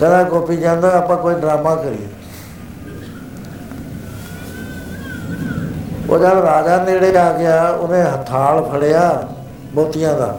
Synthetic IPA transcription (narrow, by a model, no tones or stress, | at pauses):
kənãːkoːpiːd͡ʒãːnd̪aːaːpãːkoːiːɖɾaːmãːkəɾḭːḛː | o̰ːd͡ʒaːɾaːd͡ʒaːneɽeːaːɡɪjaːʊnẽːɦət̪ʰaːlpʰəɽeːjaː | bɔːt̪ɪjãːd̪a̰ː